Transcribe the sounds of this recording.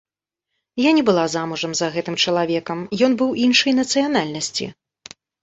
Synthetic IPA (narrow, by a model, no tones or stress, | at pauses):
janʲɛbɨlˠazamuʐɐmzɐɣɛt̪ɨmt͡ʂɐlˠavʲɛkɐmjɔnbɨwinʂɐjnɐt̪sɨjan̪alʲnɐsʲt͡sʲḭ